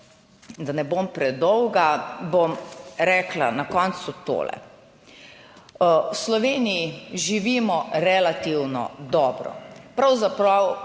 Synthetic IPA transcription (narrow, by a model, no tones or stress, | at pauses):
d̪anɛbompɾɛd̪ɔwɡabomɾɛːkla̰nakɔnt̪sut̪o̰ːlɛ̰ | wslɔʋeːnijiʒiʋiːmɔɾɛlat̪iwnɔ̰d̪ɔːbɾɔ̰pɾawzapɾaw